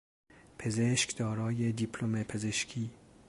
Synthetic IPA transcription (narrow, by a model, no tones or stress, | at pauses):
pʰezeʃkd̪̥ɒːɾɒːjed̪iːpʰlomepʰezeʃkʰiː